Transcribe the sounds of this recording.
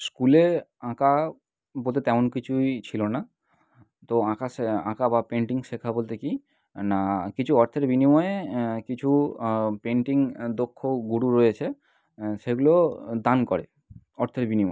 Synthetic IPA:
skuleãka | bolt̪et̪ɛmonkit͡ɕʰujt͡ɕʰilona | t̪oãkasãkabapeɳʈiŋʃekʰabolt̪eki | nakit͡ɕʰuɔɾt̪ʰeɾbinimɔeekit͡ɕʰupeɳʈiŋd̪okʰːoɡuɽuɾojet͡ɕʰe | ʃeɡulod̪ankɔɾe | ɔɾt̪ʰeɾbinimɔ

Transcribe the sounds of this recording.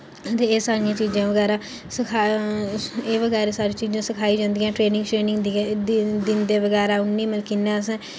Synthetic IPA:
ət̪eeːsaːɾijãːt͡ʃiːzãːʋəɡɛːɾaː | səkʰaː | eːʋəɡɛːɾeːsaːɾiːt͡ʃiːzãːsɪkʰaːiːd͡ʒãːnd̪ɪjãːʈɾeːnɪ̃ŋɡʈɾeːnɪŋɡ̪ | d̪ɪnd̪eːʋəɡɛːɾaːʊnːiːməlkinːãːsɛ̃ː

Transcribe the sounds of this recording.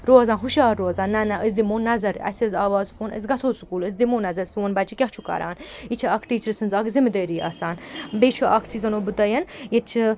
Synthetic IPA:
ɾoːzãːnɦuʃaːɾːoːzãːnːɐnɐʔəzʲd̪imoːnːɐzɐɾɐ̰sʲɐzaːʋaːzfoːnə̰zʲɡɐsoːsukuːləzʲd̪imoːnɐzɐɾswonbɐt͡ʃʰikʲɐht͡ʃʰukɐ̰ɾa̰ːnit͡ʃʰiɐkʰʈiːt͡ʃəɾsʰɨnzɐkʰzimid̪əːɾiːa̰saːnbeːt͡ʃʰuʔɐkʰt͡sʰizɐnoːbɨt̪ɐjɐnjet͡ʃʰi

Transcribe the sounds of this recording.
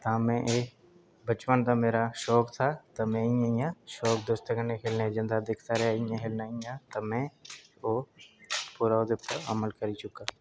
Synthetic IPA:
t̪ãːmɛ̃ʔeː | bət͡ʃpənt̪aːmeːɾaʃɔːkt̪ʰaːt̪ɐmɛ̃ːijãĩjãːʃɔːkd̪ʊst̪eɡənːekʰeːlned͡ʒə̃nd̪aːd̪ɪkʰt̪aɾɛaĩãkʰeːlnaːĩjãːt̪əmɛ̃ːoː | puɾaːod̪ɪppəə̰məlkəɾit͡ʃʊkaː

